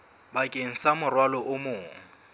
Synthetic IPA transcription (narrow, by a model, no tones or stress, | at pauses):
bakʼeŋ̩samʊrwalɔʔʊmʊːŋ̩